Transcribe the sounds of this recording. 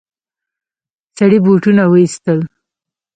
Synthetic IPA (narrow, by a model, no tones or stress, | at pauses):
saɽibuʈunawəist̪əl